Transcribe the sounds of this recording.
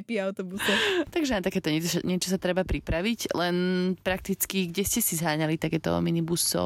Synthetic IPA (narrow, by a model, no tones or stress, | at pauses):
piaʊt̪ɔbusɔt̪aɡʒɛat̪akɛːt̪ɔɲɛsɲɛt͡ʃɔ̥sat̪ɾɛbapɾipɾaʋiclɛnpɾak̚t̪it͡skiɡɟɛscɛsizɦaːɲalit̪akɛːt̪ɔ̰minibusɔ̰